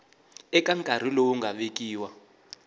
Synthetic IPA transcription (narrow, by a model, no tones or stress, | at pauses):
ɛkʼaŋkʼar̤ilowuŋɡʱaɓek̬ʼiːwa